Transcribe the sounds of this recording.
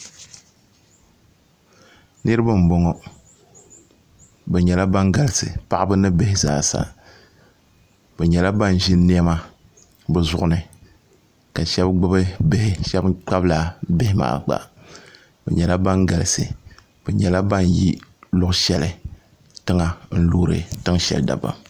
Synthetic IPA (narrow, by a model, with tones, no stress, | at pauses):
nɨ˦ɾɨ˦bɨ˦m̩˨bɔ˦ŋɔ˨ | bɛ˨ɲɛ˨la˦ba˦ŋɡa˨lɪ˨sɨ̰˨pa˦ʔbɨ˦nɨ˦be˦hɪ˦za̰ː˦˨sa̰˨ | b̥ɛ˨ɲɛ˨la˦ba˦n˨ʒɪ˦n˦ni˦ɛ˦ma˦ | bɛ˦zʊ˨ʔʊ˦nɨ˨ | ka˨ʃɛ˦bɡ͡bɨ˦bɨ˦be˦hɪ˦ʃɛ˦bk͡pa˦bla˨be˦hɪ˦ma̰ː˨ɡ͡ba̰˨ | bɛ̰˨ɲɛ˨la˦ba˦ŋɡa˨lɨ˨sɨ̰˨ | b̥ɛ˨ɲɛ˨la˦ba˦˨n˨jḭ˦lʊ˦ʔʃɛ˦lɨ˨ | tɨ˦ŋa˨n̩˦luː˦ɾɨ̰˨tɨ˦ŋʃɛ̰˨lda̰˨ba̰˦